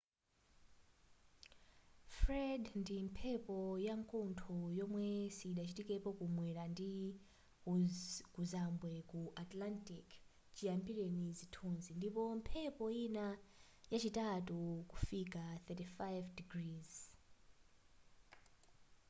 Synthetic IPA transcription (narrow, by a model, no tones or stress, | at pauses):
fɾɛdndimpʰɛpɔjaŋkɔntʰɔjɔmwɛsiɗat͡ʃitikɛpɔkumwɛɾandi | kuzambwɛkuʔatlantik | t͡ʃijambiɾenizitʰunzindipɔmpʰɛpɔina | jat͡ʃitatukufikaθɛtifajvdiɡriːz̥